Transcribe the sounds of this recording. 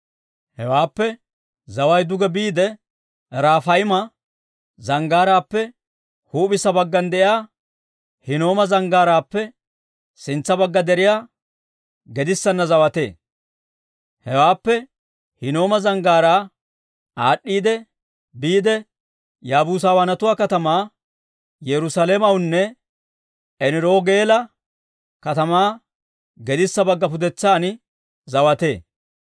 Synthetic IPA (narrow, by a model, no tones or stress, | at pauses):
hɛwaːpːɛ | zɐwɐjd̪ʊɡɛbiːd̪ɛ | ɾaːfɐjmɐ | zɐŋɡaːɾaːpːɛ | huːbɪsɐbɐɡːɐnd̪ɛʔɪjaː | hɪno̞ːmɐzɐŋɡaːɾaːpːɛ | sɪnt͡sːɐbɐɡːɐd̪ɛɾɪjaː | ɡɛd̪ɪsːɐnːɐzɐwɐt̪e̞̰ː | hɛwaːpːɛ | hɪno̞ːmɐzɐŋɡaːɾaː | aːɗːiːd̪ɛ | biːd̪ɛ | jaːbuːs̬aːwɐːnɐt̪ʊwaːkɐt̪ɐmaː | jɛɾʊsalemɐwnːɛ | ɛnɪɾoːɡe̞ːlɐ | kɐt̪ɐmaː | ɡɛd̪ɪsːɐbɐɡːɐpʊd̪ɛt͡sːaːn | zɐwɐt̪e̞ː